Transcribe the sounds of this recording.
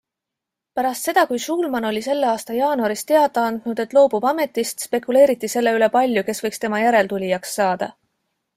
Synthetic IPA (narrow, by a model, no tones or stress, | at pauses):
pæɾɑst̪se̞d̪̥ɑkujʃuːlmɑno̞lʲise̞lːeɑːst̪ɑjɑːnuɑɾist̪e̞ɑd̪̥ˑɑɑnd̪̥nud̪̥e̞t̪ːˑlo̞ːb̥ub̥ɑme̞t̪ːˑist̪spe̞kule̞ːɾit̪ːˑise̞lːe̞yle̞pɑlʲjuke̞svɤ̞jkst̪e̞mɑjæɾe̞lt̪ulʲijɑksːɑːd̪̥ɑ̰